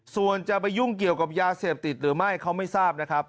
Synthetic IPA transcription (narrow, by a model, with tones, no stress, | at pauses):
su˨˩ənt͡ɕa˨˩pa˧jːu˥˩ŋki˨˩əwka˨˩p̚jaː˧seː˨˩p̚t̪i˨˩t̪̚ɾɯː˩˦ma˥˩jkʰa˦˥wma˥˩jsaː˥˩p̚na˦˥kʰɾa˦˥p̚